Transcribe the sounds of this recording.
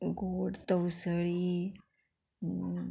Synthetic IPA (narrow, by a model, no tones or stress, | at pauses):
ɡoɽt̪əwsəɭi